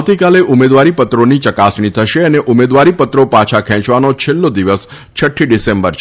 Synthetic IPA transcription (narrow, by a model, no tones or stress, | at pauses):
wt̪ikaleʔumed̪ʋaɾipət̪ɾonit͡ʃəkasɳit̪ʰəʃeəneʔumed̪ʋaɾipət̪ɾopãt͡ʃʰakʰɛ̃t͡ʃʋanot͡ʃʰelːod̪iʋəs | t͡ʃʰəʈʰːiɖisembəɾt͡ʃʰ